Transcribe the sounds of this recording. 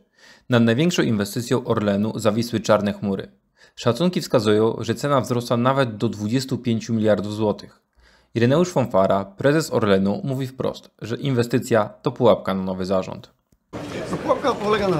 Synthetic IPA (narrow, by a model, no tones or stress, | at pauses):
nad̪najvʲɛŋkʂɔ̃w̃invɛst̪ɘt̪sʲjɔw̃ʔɔɾlɛnuzavʲiswɘt͡ʂaɾnɛxmuɾɘ̰ | ʂat̪suŋkʲifskazujɔ̃w̃ʐɛt̪sɛnavzɾɔswanavɛd̪̚d̪ɔd̪vud͡ʑɛst̪upʲjeɲt͡ɕumʲilʲjaɾd̪ufzwɔt̪ʰɘx | iɾɛnɛuʂfɔnfaɾapɾɛzɛsɔ̰ɾlɛnumuvʲifpɾɔ̰st̪ʐɛʔinvɛst̪ɘt̪sʲjat̪ɔpuwap̚kananɔvɘzaʐɔ̰nt̪ | t̪ɔpuwap̚kapɔlɛɡana